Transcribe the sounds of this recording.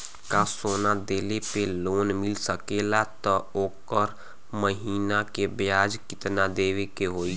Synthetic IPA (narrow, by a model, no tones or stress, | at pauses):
kasoːnad̪eːlepeloːnmɪlsəkeːlat̪ɔoːkəɾ | məɦiːnakebjaːd͡ʒkɪt̪nad̪eːʋekeɦoːi